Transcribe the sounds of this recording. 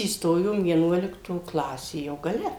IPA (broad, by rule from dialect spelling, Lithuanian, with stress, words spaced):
iːsˈtoːjoːm ʋʲiɛˈnuɔlʲɪktoː ˈklˠɑːsʲeː jɛʊ ɡɐˈlʲɛ